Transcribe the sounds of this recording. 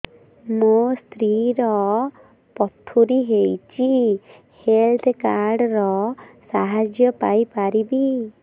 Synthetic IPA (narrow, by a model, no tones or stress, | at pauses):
most̪ʰɾiɾɔ | pɔt̪ʰuɾiɦejt͡ʃʰi | helt̪ʰkaɾɖɾɔsaɦad͡ʒjɔpajpaɾibi